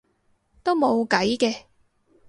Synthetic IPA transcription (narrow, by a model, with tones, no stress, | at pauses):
t̪o˥wmo˨˧wkɐ˨˥jkɛː˧